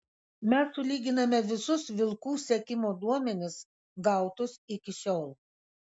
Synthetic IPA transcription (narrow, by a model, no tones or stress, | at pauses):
mʲɛsːʊlʲiːɡʲɪnɐmʲɛʋʲɪsʊsʋʲɪlˠkuːsʲɛkʲɪmoːd̪uɔmʲɛnʲɪs | ɡɐˑʊt̪ʊsɪkʲɪʃʲoːlˠ